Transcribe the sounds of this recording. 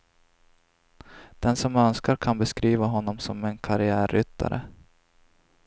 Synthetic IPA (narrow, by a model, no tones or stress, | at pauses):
d̪̥ɛnsɔmœnskaɾkʰanbɛskɾiːvaɦɔnːɔmsɔmɛnkʰaɾɪæːɾʏt̪ʰːa̰ɾʔə̰